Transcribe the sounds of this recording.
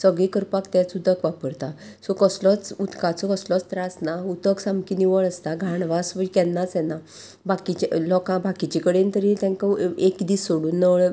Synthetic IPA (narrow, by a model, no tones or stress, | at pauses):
səɡɭikəɾpakt̪ɛt͡sud̪ʱəkʋapəɾt̪a | sɔkəslɔt͡sut̪kãt͡sɔkəslɔt͡st̪ɾasnaut̪əksamkiniʋəɭəst̪aɡʱaɳʋasʋəikɛnːat͡sjɛna | bakit͡ɕlɔkãbʱakit͡ɕikəɽent̪əɾit̪ãŋkaekd̪isoɽuːnːəʋɭ